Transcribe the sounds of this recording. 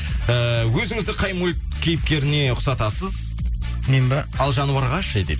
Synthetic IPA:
əwɵzɪŋɪzd̪ɪqʰɑjmoj | kʲʰe̞jɪp̚kʲe̞ɾɪne̞ʊqsɑt̪ɑsəz | nembɑ | ɑlˠʒɑnuwɑɾʁɑʃejd̪ḛ

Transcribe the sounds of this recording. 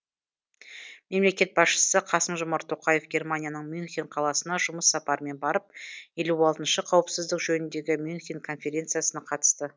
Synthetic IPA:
me̞mle̞kʲe̞t̪̚bɑsʃə̥səqʰɑsəmʒʊmɑɾt̪ʰːo̞qɑjefɡʲe̞rmanʲijanəɴmjʊnxʲinqʰɑlˠɑsənɑʒʊməsːɑpɑɾme̞nbɑɾəp̚je̞luɑlˠt̪ənʃəqʰɑwəpsɪzd̪ɪkʒɵnɪnd̪e̞ɡʲɪmjunxʲiŋkʰo̞nfʲe̞ɾʲe̞nt̪sɨjasənɑqʰɑt̪ə̥st̪ə

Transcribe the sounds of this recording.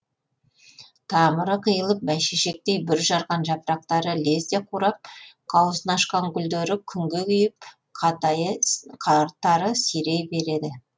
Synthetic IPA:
t̪ʰɑməɾəqʰəjəlˠəp̚mæjʃeʃe̞k̚t̪e̞jbɪɾʒɑɾʁɑnʒɑpɾɑq̚t̪ɑɾəle̞st̪eqʰuɾɑp̚qʰɑwəsənɑʃqɑŋkʲʰʏld̪eɾɪkʲʰʏŋɡʲe̞kʲʰʏjɪp̚ | qʰɑt̪jqʰɑɾt̪ːɑɾəsijɾe̞jbe̞ɾe̞d̪ɪ

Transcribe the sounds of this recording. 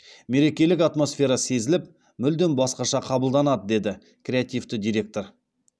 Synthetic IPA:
me̞ɾe̞kʲe̞lɪkat̪mo̞sfʲe̞ɾɑse̞zɪlɪp̚ | mʏld̪e̞nbɑsqɑʃɑqʰɑbəlˠd̪ɑnɑd̪əd̪e̞d̪ɪ | krʲe̞at̪ijft̪ɪd̪ijɾʲe̞k̚t̪o̞ɾ

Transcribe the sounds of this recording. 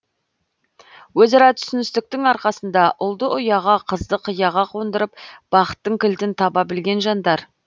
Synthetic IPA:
wɵzɑɾɑt̪ʰʏ̥sɪnɪst̪ɪk̚t̪ɪŋɑɾqɑsənd̪ɑʔʊlˠd̪əʔʊjɑʁɑqʰəzd̪əqʰəjɑʁɑqʰo̞nd̪əɾəpb̥ɑqə̥t̪ːəŋkʲʰɪld̪ɪnt̪ʰɑbɑbɪlɡʲe̞nʒɑnd̪ɑɾ

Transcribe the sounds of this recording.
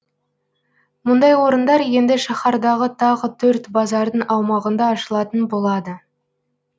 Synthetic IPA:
mʊnd̪ɑjwo̞ɾənd̪ɑɾje̞nd̪ɪʃɑχɑɾd̪ɑʁət̪ʰɑʁət̪ʰɵɾt̪bɑzɑɾd̪əɴʔɑwmɑʁənd̪ɑːʃəlˠɑt̪ənbo̞lˠɑd̪ə

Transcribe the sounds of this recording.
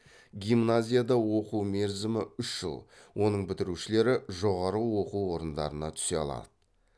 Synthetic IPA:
ɡʲijmnazʲijad̪ɑwo̞quwmeɾzɪmɪʏʃʒ̥ə̰lˠwʔo̞nəɴbɪt̪ɪɾuʃɪle̞ɾɪʒo̞ʁɑɾəwo̞quwwo̞ɾənd̪ɑ̰ɾənɑt̪ʰʏ̥seɑ̰lˠɑ̰d̪̥ə

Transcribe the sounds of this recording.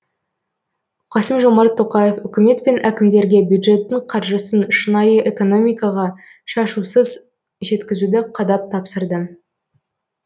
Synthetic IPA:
qʰɑsəmʒo̞mɑɾt̪ʰːo̞qɑje̞fʏkʲɪme̞t̪pe̞nʔækʲɪmd̪e̞ɾɡʲe̞bjud̪ʒe̞t̪ːɪɴqʰɑɾʒəsənʃənɑjəʔe̞ko̞no̞mijkɑʁɑ | ʃɑʃusəz | ʒe̞t̪kʲɪzud̪ɪqʰɑd̪ɑp̚t̪ʰɑpsəɾd̪ə

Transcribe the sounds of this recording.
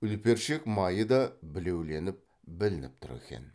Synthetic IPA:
ʏlpe̞ɾʃekmɑjəd̪ɑbɪle̞wle̞nɪp̚ | bɪlɪnɪp̚t̪ʰʊɾḛkʲḛn

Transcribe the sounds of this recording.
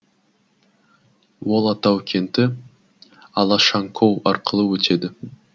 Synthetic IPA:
wolˠɑt̪awkʲʰent̪ɪ | ɑlˠɑʃaŋkʰowɑɾqəlˠɯwɵt͡ʃe̞d̪ɪ

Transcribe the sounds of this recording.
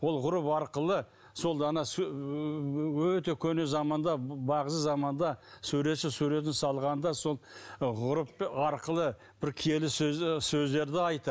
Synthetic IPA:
wo̞lˠʁʊɾʊpɑɾqəlˠə | so̞lˠɑnɑs | wɵt̪e̞kʲʰɵnezɑmɑnd̪ɑbɑʁəsəzɑmɑnd̪ɑsʉuɾe̞t̪ʃɪsuɾe̞t̪̬ɪnsɑlˠʁɑnd̪ɑso̞lˠʁʊɾʊpɑɾqəlˠə | b̥ɪɾkʲʰije̞lɪssɵzd̪e̞ɾd̪ɪɑjt̪ə

